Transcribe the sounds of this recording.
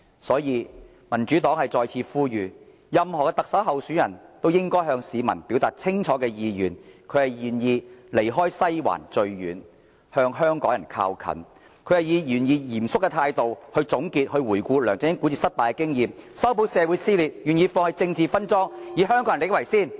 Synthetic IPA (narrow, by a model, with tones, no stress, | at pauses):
sɔː˨˥jiː˨˧ | mɐ˨˩nt͡ʃyː˨˥t̪ɔː˨˥ŋhɐ˨jt͡sɔː˨jt͡sʰiː˧fuː˥jyː˨ | jɐ˨mhɔː˨˩kɛː˧t̪ɐ˨k̚sɐ˨˥wɦɐ˨wsyː˨˥njɐ˨˩nt̪o˥wjɪ˥ŋkɔː˥jɦœː˧ŋsiː˨˧mɐ̰˨˩npiː˨˥wt̪aː˨t̚t͡sʰɪ˥ŋt͡ʃʰɔː˨˥kɛː˧jiː˨˧jyː˨˩nkʰɵ˨˧hɐ˨jjyː˨njiː˧le˨˩jɦɔː˥jsɐ˥jwa̰ː˨˩nt͡ʃɵ˧ɥjy̰ː˨n | hœː˧ŋɦœː˥ŋkɔː˨˥ŋjɐ˨˩nkʰa̰ː˧wkʰɐ̰˨˩n | kʰɵ˨˧ɥhɐ˨jiː˨˧jyː˨˩njiː˨˧jiː˨˩msʊ˥kːɛ˧t̪ʰaː˧jt̪o˨whɵ˧ɥt͡sʊ˨˥ŋkiː˧t̚hɵ˧ɥwuː˨˩jkuː˧lœː˨˩ŋt͡sɪ˧ŋjɪ˥ŋku˨˥t͡siː˨sɐ˥t̚p̪aː˨jkɛ˧˥kɪ˥ŋjiː˨msɐ˥wpʰo˧˥wsɛː˨˧wu˨˥jsiː˥liː˨t̚jy˨njiː˧fɔː˧ŋhɐ˨jt͡sɪ˧ŋt͡siː˨fɐ˥nt͡sɔː˥ŋjiː˨˧ɦœ˥ŋkɔ˧˥ŋɐ˨e˥kwɐ˨˩jsiː˥˩n